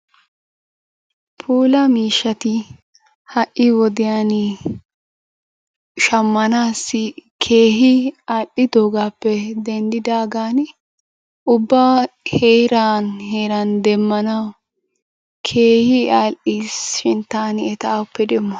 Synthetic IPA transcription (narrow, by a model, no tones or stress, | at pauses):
pʰuːlɐmiːʃːɐt̪ɪ | hɐʔːɪwɔd̪ɪjaːnɪ | ʃɐmːɐnaːsːɪkʰeːɦɪaːʔɪd̪oːɡaːpːɛd̪ɛnd̪ɪd̪aːɡaːn | ʊbːaheːɾaːnheːɾɐnd̪ɛmːɐnɐw | kʰeːhɪalʔisʃɪnt̪ːaːnɛt̪aːʊpːɛd̪ɛmːɔ